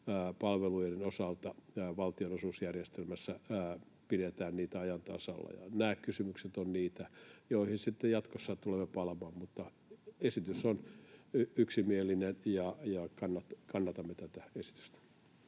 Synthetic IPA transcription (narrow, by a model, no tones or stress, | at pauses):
pɑlʋelujrenosɑlt̪ɑʋɑlt̪ionosuːsjærjest̪elmæsːæ | piɾet̪æːnniːt̪æɑjɑnt̪ɑ̰sɑ̰lːɑ̰jɑ̰næːkkysymykset̪onniːt̪æjoihinsit̪ːejɑt̪kosːɑt̪ulemːepɑlɑmɑːmmut̪ːɑ | esit̪ysonyyksimielːˑinenjɑjɑkɑnːɑt̪kɑnːɑt̪ɑmːet̪æt̪æesi̥t̪y̥st̪æ̥